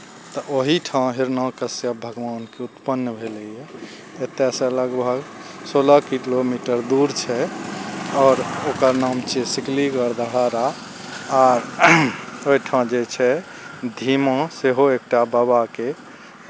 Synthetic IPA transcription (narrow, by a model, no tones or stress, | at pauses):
t̪ɔʔoɦiʈʰãɦiɾnakəsjəbʱəɡʋankeut̪pənːəbʱelijɛ | et̪ːesẽləɡbʱəɡ | soləkilomiʈəɾd̪uɾt͡ʃʰɛ | ɔːɾokəɾnamt͡ʃesikliɡəɾd̪ʱəɦaɾa | aɾ | oiʈʰãd͡ʒet͡ʃʰɛ | d̪ʱimɔ̃seɦoek̚ʈababake